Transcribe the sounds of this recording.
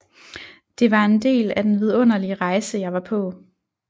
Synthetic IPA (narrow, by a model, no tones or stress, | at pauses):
d̥e̝ʋɑ̈e̝nd̥e̝̰ːlæd̥enʋið̞ˠɔ̽n̰ɐliəʁɑ̈ɪsəjɑ̈ɪʋɑ̈pʰɔ̽